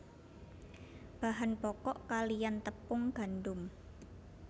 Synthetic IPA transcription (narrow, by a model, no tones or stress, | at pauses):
b̥aɦanpɔkɔʔkalijant̪əpʊŋɡ̥a̤ndʊm